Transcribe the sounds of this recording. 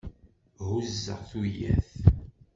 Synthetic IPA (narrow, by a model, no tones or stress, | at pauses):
ɦuzːə̰ʁθujæ̰θ